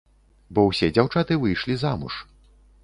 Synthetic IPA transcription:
bɔwsʲɛd͡zʲawt͡ʂat̪ɨvɨjʂlʲizamṵʂ

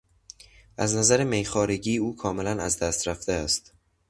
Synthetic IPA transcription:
ʔæznæzæɾeme̞jxɒːɾe̞ɟiːuːkʰɒːme̞lænæzd̪æst̪ɾæft̪eæst̪

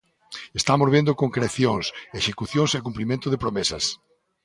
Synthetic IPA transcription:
est̪amozβend̪okoŋkɾeθjoŋseʃekuθjõŋsekumplimẽnt̪ʊðepɾomesɐs

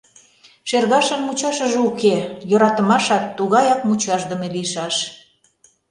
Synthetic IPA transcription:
ʃerɣɑʃə̆nmut͡ɕɑʃə̆ʒeukejoɾɑt̪ə̆mɑʃɑkt̪uɣɑjɑk̚mut͡ɕɑʃd̪ə̆meliəʃɑʃ

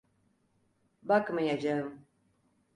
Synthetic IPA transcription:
bakmajad͡ʒaɯm

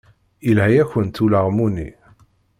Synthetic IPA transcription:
ilɦæjæçənt̪uləʁmunḭ

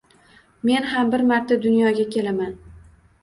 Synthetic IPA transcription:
me̞nɦambɪɾmaɾt̪ʰad̪ʊnjɒɡʲakʲʰe̞laman

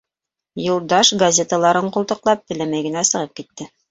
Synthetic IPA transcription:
julˠd̪ɑʃɡɐzʲe̞t̪əlˠɑɾɤɴqulˠt̪ɤ̆qlˠɑp̚t̪ɘ̆læmæjɡɘ̆næsɤ̆ʁɤp̚kit̪ːɘ

